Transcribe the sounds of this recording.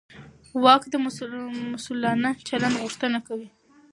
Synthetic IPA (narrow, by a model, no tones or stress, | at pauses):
wɑkd̪əmʊsʊlːɑnat͡ʃaland̪ɣʊʂt̪ənakawi